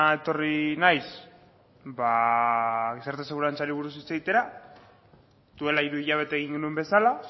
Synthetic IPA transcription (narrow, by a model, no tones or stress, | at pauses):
e̞t̪o̞rinajs | ba | ɣisaɾt̪aseɣuɾant͡saliβuɾusit͡sait̪e̞ɾa | d̪ue̞laiɾuiʎaβ̞e̞t̪aeɣ̞iŋɡenue̞mbe̞sala